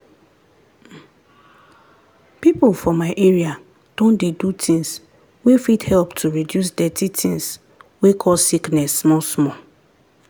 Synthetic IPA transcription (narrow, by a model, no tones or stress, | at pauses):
pipolfɔmaɪʔeɹia | d̥õndedutʰĩŋs | wefithɛlptʰuɹidjus̬dɛtitʰĩŋs | wekʰɔlsiknɛsːmɔlsmɔ